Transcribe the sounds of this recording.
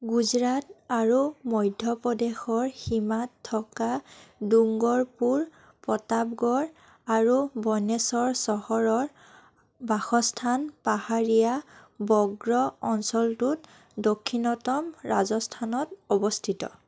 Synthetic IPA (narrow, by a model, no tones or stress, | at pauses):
ɡuzɹataɹumɔjdʱjɔpɔdexɔɹximatʰːɔkaduŋɡɔɹpuɹ | pɔtapɡɔɹ | aɹubɔnesɔɹsɔhɔɹɔɹ | baxɔstʰanpahaɹijabɔɡɹɔɔnsɔltut | dokʰːinɔtɔmɹazɔstʰanɔtɔbɔstʰitɔ̰